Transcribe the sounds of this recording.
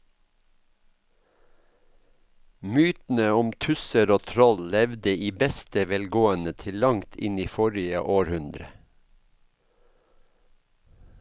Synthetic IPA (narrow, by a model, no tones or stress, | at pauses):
myːt̪n̩əʊmt̪ʰʉsəɾoːt̪ʰɾɔllɛʋd̪əʔiːbɛst̪əʋɛlɡoːənət̪ʰɪllɑŋt̪ʰɪ̰niːfɔɾɪə̰ʔoːɾhʉnd̪ɾə